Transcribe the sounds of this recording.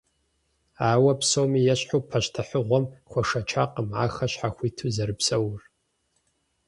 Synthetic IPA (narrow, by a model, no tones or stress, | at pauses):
aːwɐpʰsomijaʃħopʰːaʃtʰaħʷʊʁʷɔmχʷaʂat͡ʃʰa̰qʼəmʕaxaʃħaχʷitʰuzɐɾɨpʰsɐwr